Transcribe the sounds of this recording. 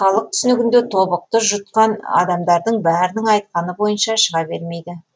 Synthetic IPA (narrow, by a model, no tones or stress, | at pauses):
χɑlˠəq̚t̪ʰʏ̥sɪnɪɡʲɪnd̪et̪ʰo̞bəq̚t̪əʒʊt̪̚qɑnɑ̰d̪ɑmd̪ɑɾd̪əɴbæɾɪnɪŋɑjt̪̚qɑnəbo̞jənʃɑʃəʁɑbe̞ɾme̞jd̪ɪ